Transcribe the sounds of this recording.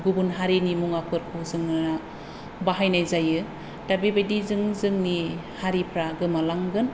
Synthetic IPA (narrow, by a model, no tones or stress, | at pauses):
ɡubunɦaɾinimuŋapʰɯɾkʰuzɯŋɯna | baɦajnajzajɯ | d̥abibajdizɯŋzɯŋni | haɾipʰɾaɡɯmalaŋɡɯn